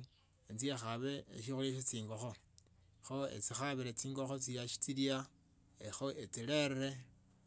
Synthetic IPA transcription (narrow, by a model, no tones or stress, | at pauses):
ent͡sjexaβe̞̰ːʃ̬ixuleʃ̬et͡siːŋɡoxo | xoḛt͡sixaβiɾet͡siːŋɡo̞xot͡sijaʃi̥t͡silia | exoʔet͡sileɾɾe